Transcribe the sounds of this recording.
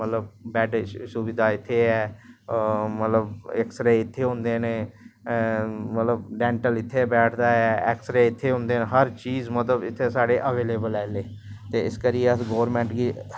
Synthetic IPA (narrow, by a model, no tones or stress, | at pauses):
mət̪ləb̚bɛːʈsuʋɪd̪aːɪt̪ʰːeːɛː | mət̪ləbɛksɾeːɪt̪ʰːeːɦʊ̃nd̪eːneː | mət̪ləbɖɛ̃ːɳʈəlɪt̪ʰːeːbɛːʈʰd̪aːɛːɛ̰ːksɾeːɪt̪ʰːeːɦʊ̃nd̪eːnːɦəɾt͡ʃiːzmət̪ləbɪt̪ʰːeːsaːɖeːʔəʋeːleːbəlɛːleː | t̪eːɪskəɾijeəɡoːʋɾmɛ̃ːɳʈɡiː